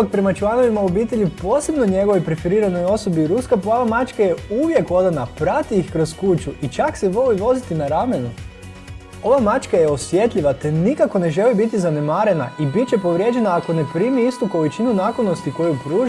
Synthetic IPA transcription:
ak̚pɾe̞mat͡ʃlˠano̞ʋimaobiːt̪e̞ʎipo̞ːse̞bnoɲe̞ɡo̞ʋojpɾe̞feɾiːɾano̞jo̞so̞biɾuskapaʋamat͡ʃkaje̞uʋje̞ko̞d̪anapɾat̪iixkɾoskut͡ʃuit͡ʃakseʋo̞liʋo̞zit̪inaɾame̞nu | o̞ʋamat͡ʃkajeo̞sʋje̞t̪ʎʲiʋat̪e̞nikako̞ne̞ʒe̞libit̪izane̞maːɾe̞na̰ibit̪̚t͡ɕe̞po̞ʋɾje̞d͡ʒe̞naːko̞ne̞pɾiːmiist̪uko̞lit͡ʃinunaːklono̞st̪iko̞jupɾuːʒ

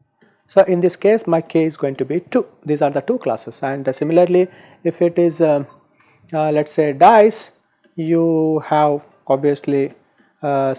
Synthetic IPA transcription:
soːʔɪ̃nd̪ɪskeːsmaɪkʰeːɪzɡoːɪ̃ŋʈubiʈuːd̪iːzaːɾd̪əʈuːkla̰ːsesæ̃ɳɖsɪmɪləɾli | ɪfɪʈɪz | lɛʈseːɖaɪs | juːhæʋ | ɔbʋiəsli

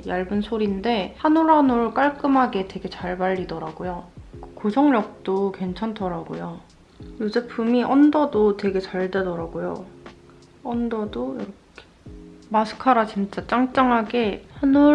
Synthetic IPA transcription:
jaɭbɯnsʰoɾinde̞hanuɾɦanoɭk͈aɭk͈ɯmɦaɡe̞twe̞ɡe̞t͡ɕaɭbaʎːidʌɾaɡojokɯkosʰʌŋɲʌk̚t͈okwe̞nt͡ɕʰantʰʌɾaɡo̰jo | jud͡ʑepʰumiʔʌndʌdotwe̞ɡe̞t͡ɕaɭdwe̞dʌɾaɡojo̰ | ʌndʌdoiɾʌkʰemasʰɯ̥kʰaɾat͡ɕint͡ɕ͈at͡ɕ͈aŋt͡ɕ͈aŋɦaɡe̞hanu

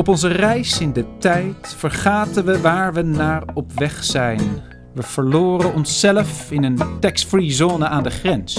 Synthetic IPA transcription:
ɔpɔnzərɛjsɪndətɛjtfəɹχaːtənʋəʋaːɹʋənaːɹɔpʋɛχsɛjn | ʋəv̥əɹlʊːrənɔnsːɛləfɪnəntɛkstfrizoːnəʔaːndəχrɛns

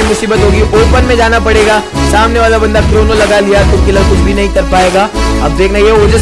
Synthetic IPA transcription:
mʊsiːbət̪ɦoːɡiʔoːɾpənmẽd͡ʒaːnapɐɽeːɡaː | saːmneʋaːlabɐ̃nd̪akɾoːnolɐɡalijat̪okɪlɐɾkʊt͡ʃʰbʱinɐɦĩkɐɾpaːeːɡaːɐbd̪eːkʰnaieʊd͡ʒəs

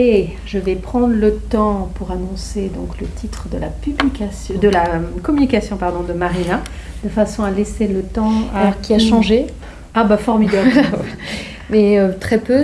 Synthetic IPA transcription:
e | ʒəvɛpχɑ̃d̪ʁlət̪ɑ̃puʁanɔ̃sed̪ɔ̃klət̪ʰit̪χəd̪əla̰pyblikʲasjɔ̃d̪əlakɔmynikasjɔ̃paʁd̪ɔ̃d̪əmaʁina | d̪̥əfasɔ̃alɛselət̪ɑ̃aalɔʁkʲiaʃɑ̃ʒe | abafɔʁmid̪ab | mɛøt̪χɛpø

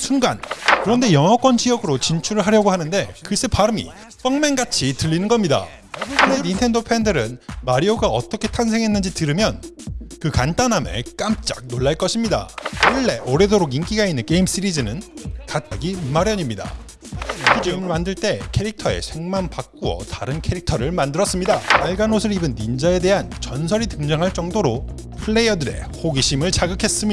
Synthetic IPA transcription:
sʰunɡa̰nkɯɾʌnde̞jʌŋʌk͈wʌnd͡ʑiʌɡɯɾot͡ɕint͡ɕʰuɾɯɭɦaɾjʌɡoɦanɯnde̞kɯs͈ɯpaɾɯmḭ | s͈ʌŋme̞ŋɡat͡ɕʰitɯʎːinɯnɡʌmɲida̰ | kɯɾenintʰe̞ndopʰe̞ndɯɾɯnmaɾioɡaʌt͈ʌkʰe̞tʰansʰe̞ŋɦe̞nːɯnd͡ʑitɯɾɯmjʌnkɯkant͈anɦamḛk͈amt͡ɕ͈a̰k̚noɭːaɭk͈ʌɕʰimɲida̰kɯɭːe̞ʔʌɾe̞doɾoɡink͈iɡainːɯnk͈e̞ims͈ɯɾid͡ʑɯnɯnkat̚t͈aɡimaɾjʌɲimɲida̰ | kud͡ʑɯmmandɯɭt͈e̞kʰe̞ɾik̚tʰʌe̞̰sʰe̞ŋmanpak̚k͈uʌ̰taɾɯnkʰe̞ɾik̚tʰʌɾɯɭmandɯɾʌs͈ɯmɲidaaɭɡanosʰɯɾibɯnːind͡ʑae̞de̞ɦant͡ɕʌnsʰʌɾitɯŋd͡ʑaŋɦaɭt͡ɕ͈ʌŋdoɾo | pʰɯɭːe̞jʌdɯɾe̞̰hoɡiɕʰimɯɭt͡ɕaɡɯkʰe̞s͈ɯmɲi

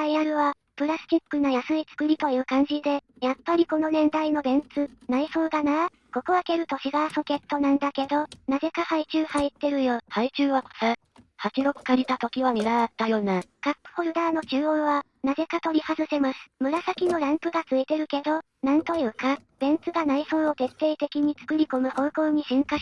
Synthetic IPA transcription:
aiaɾɯ̟βa | pɯ̟ɾasɨ̥t̪ʲikːɯnajasɨit͡sɨ̥kɯ̟ɾʲit̪o̞jɯ̟ːkãɲ̟d͡ʑid̪e̞ | japːaɾʲiko̞no̞nẽ̞nd̪aino̞bẽ̞nt͡sɨnaiso̞ːd̪anaː | ko̞koβake̞ɾɯ̟t̪o̞ɕiɡaso̞ke̞t̪ːo̞nãnd̪ake̞d̪o̞naze̞kahait͡ɕɨːhait̪ːe̞ɾɯ̟jo̞hait͡ɕɨːβako̥sa | hat͡ɕiɾo̞kɯ̟̥kaɾʲit̪at̪o̞kʲiβamʲiɾaat̪ːajo̞ːnakakːɯ̟̥ho̞ɾɯ̟d̪aːno̞t͡ɕɨːoβa | naze̞kat̪o̞ɾʲihazɨse̞masɨ̥mɯ̟ɾasakʲino̞ɾãmpɯ̟ɡat͡sɨet̪e̞ɾɯ̟ke̞d̪o̞ | nãnt̪o̞jɯ̟ːkab̥ẽ̞nt͡sɨɡanaisoːot̪e̞t̪ːe̞ːt̪e̞kʲiɲ̟it͡sɨ̥kɯ̟ɾʲiko̞mɯ̟ho̞ːko̞ːɲ̟iɕĩŋka

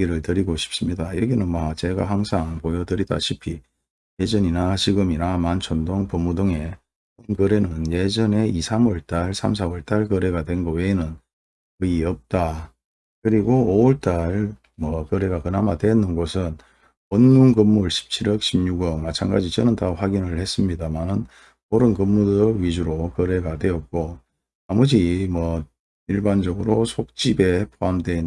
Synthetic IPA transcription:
ɡiɾɯɭtɯɾiɡoɕʰi̥p̚s͈ɯmɲidajʌɡinɯnmat͡ɕe̞ɡa̰ɦaŋsʰaŋpojʌdɯɾida̰ɕʰipʰi | je̞d͡ʑʌɲinat͡ɕiɡɯminamant͡ɕʰʌndoŋpomːudoŋe̞ | ʌnkɯɾe̞nɯnje̞d͡ʑʌne̞isʰamʌɭt͈aɭsʰams̬ʰawʌɭt͈aɭkɯɾe̞ɡadwe̞nɡʌwe̞inɯn | kɯiʌp̚t͈a | kɯɾiɡooɯɭt͈aɭ | mwʌkʌɾe̞ɡakɯnɦamadwe̞nːɯnɡosʰɯn | wʌnmunkɯmːuɭɕʰi̥p̚t͡ɕʰiɾʌk̚ɕʰibɲuɡʌmat͡ɕʰanɡad͡ʑit͡ɕʌnɯntʰaɸwaɡinɯɭhe̞s͈ɯmɲidamanɯn | oɾɯnkɯmːudɯɥid͡ʑuɾokʌɾe̞ɡadwe̞ʌt̚k͈o | amud͡ʑimwʌ | iɭband͡ʑʌɡɯɾosʰok̚t͡ɕ͈ibe̞pʰoamdwe

